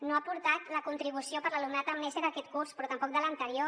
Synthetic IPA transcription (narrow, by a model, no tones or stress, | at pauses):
noapuɾt̪at̪ləkunt̪ɾiβ̞usiopəɾləlumnat̪əmːɛseɾðəkɛt̪kuɾspɾɔt̪əmpɔk̚d̪ələnt̪əɾio